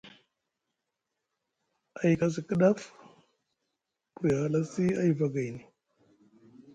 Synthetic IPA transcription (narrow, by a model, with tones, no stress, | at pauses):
a˨ji˨ka˨s̬i˨kə˦ɗa˦f | ku˨ja˨la˦si˦a˦i˦va˨ɡa˨jni˨